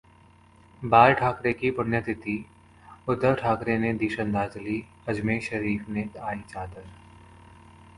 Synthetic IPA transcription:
baːɾʈʰaːkɾekipʊnjət̪ʰɪt̪i | ʊd̪ːəɾʈʰaːkɾened̪iːʃə̃nd̪aːd͡ʒli | ɐd͡ʒmeːʃəɾiːfneaːit͡ʃaːd̪əɾ

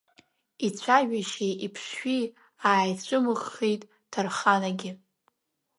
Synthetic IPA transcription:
it͡sʷʰaʒᶣaʃeʔipʰʂːi | aːjt͡ɕʷʰʼɨmɨʁːejtʼ | d̥ʰarχanaɡʲɪ

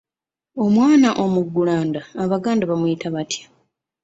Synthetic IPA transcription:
o̞mwaːnaʔo̞muɡːulaːndaːβaɡaːndaβamujitaβatʰjḁ

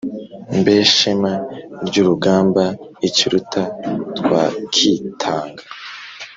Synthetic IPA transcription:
mbeːʃemaɾɟuːɾuɡaːmbaiciɾutʰatwaːkʰitʰaːŋɡa

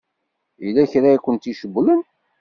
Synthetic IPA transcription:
ilːæçɾakʷːənt̪iʃəbːlən

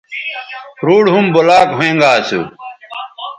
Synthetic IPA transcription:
ɾuːɽɦumbolaːkɦoẽːŋɡaːsṵ

